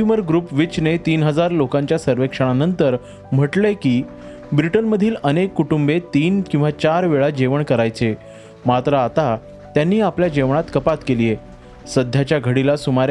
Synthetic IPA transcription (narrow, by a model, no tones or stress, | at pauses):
uməɾɡɾuːpʋit͡ɕnet̪iːnɦəd͡zaɾlokãɲt͡ɕjasəɾʋekʂəɽ̃anənt̪əɾ | m̤əʈlekiː | bɾiʈənməd̪ʱiːlənekːuʈumbet̪iːnkĩw̃ʋat͡ɕaɾʋeɭad͡ʑeʋəɳkəɾajt͡se | mat̪ɾəat̪a | t̪janːiːapljad͡ʑeʋɳ̃at̪kəpat̪kelije | səd̪ʱːjat͡ɕjaɡʱəɽilasumaɾ